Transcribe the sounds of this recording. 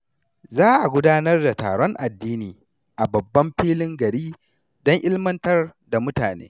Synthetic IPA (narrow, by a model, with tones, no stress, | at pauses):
zaː˦ʔa˨ɡʷʊ˦daː˦nɐ˦rda˨ta̰ː˨ɽɔ˦ŋʔa˨dːiː˦niː˨ | ʔa˨bɐ˨bːɐ˦mɸiː˦lɪ˦ŋɡɐ˨ɽiː˦ | dɔ˦ŋʔɪ˦lmɐ˦ntɐ˦rda˨mʊ˦taː˨nḛː˦